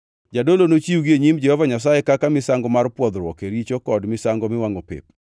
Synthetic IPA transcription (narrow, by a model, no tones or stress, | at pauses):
d͡ʒadolonot͡ʃiuɡieɲimd͡ʒɛhɔvaɲas̬ajekakamɪsaŋɡɔmarpwɔd̪ɾwɔ̰keɾit͡ʃokɔdmɪsaŋɡɔmɪwaŋopḛp̚